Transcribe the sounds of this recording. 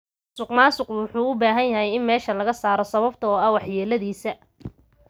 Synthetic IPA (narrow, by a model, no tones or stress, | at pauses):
sʊqmaːsʊqwʊħuːʊbaːɦɐnjɐɦɛjɪnmɛːʃɐlɐɣɐsaːɾɔsɐβɐbt̪ʰɐɔːɐwɑħjɛːlɐðiːsɐ